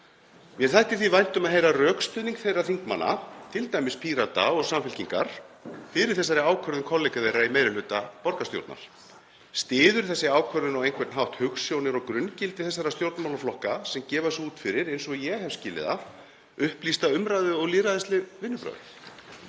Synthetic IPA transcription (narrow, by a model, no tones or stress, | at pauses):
mjɛɾθajht̪ɪ̥θvivajn̥t̪ʏmaðɦejɾarœːkst̪ʏːðniŋkθejrːaθiŋkma̰nːa̰t̪ʰɪlt̪aːjmɪspʰiːɾat̪a̰ɔɣsamfɪlciŋka̰ɾ̥ | fɪɾɪɾ̥θɛsːaɾɪaːwkʰœɾðʏnkʰɔlejkavejraimeːjɾɪlʏːt̪apɔɾkast̪jo̰wt̪na̰ɾ̥ | st̪ɪːðʏɾ̥θɛsːɪaːwkʰœɾðʏnɔɣejnkʰvɛɾt̪nɦawht̪hʏxsːjownɪɾɔɣkɾʏncɪlt̪ɪθɛsːaɾast̪jowɾt̪nmawlaflɔhkasɛmcɛːvasuːt̪fɪɾɪɾejnsɔjɛhɛv̥scɪːlɪ̰ða̰ | ʏhplist̪aʏmɾaðʏɔɣliːɾaðɪst̪lɪvɪnːʏpɾœ̰ːð